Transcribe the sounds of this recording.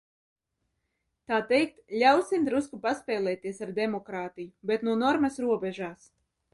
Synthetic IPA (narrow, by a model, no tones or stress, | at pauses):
t̪aːt̪ɛjk̚t̪lʲawsimd̪ɾuskupaspʲɛːlˠɛːt̪iɛsaɾd̪ɛmɔkɾaːt̪ijubet̪nuɔnɔɾmɐsɾuɔbɛʒaːs